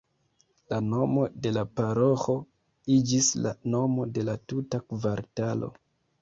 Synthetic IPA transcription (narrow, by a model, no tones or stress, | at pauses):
lano̞mo̞de̞lapaɾo̞xo̞ | id͡ʒisla̰no̞mo̞de̞latutakvaɾtalo̞̰